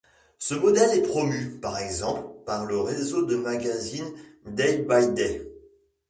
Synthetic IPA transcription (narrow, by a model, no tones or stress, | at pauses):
səmɔd̪ɛlɛpχɔmypaʁɛɡzɑ̃plpaʁləʁezod̪əmaɡʲazind̪ɛjbajd̪ɛ